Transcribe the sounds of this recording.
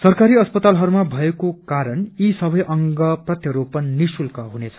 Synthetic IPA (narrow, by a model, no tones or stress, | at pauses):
sʌrkaɾiʌspʌt̪alɦʌɾumabʱʌekokaɾʌnisʌbʌjʔʌŋɡʌprʌt̪jʌɾopʌninisulkʌɦunet͡sʰʌ̥